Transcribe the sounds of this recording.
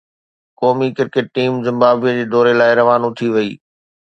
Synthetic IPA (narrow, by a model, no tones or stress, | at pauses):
kɔːmikɪɾkɪʈ̚ʈiːmzɪ̃mbaːbijəd͡ʑeːd̪ɔːɾelaːɪɾɐʋaːnũt̪ʰiʋɐiː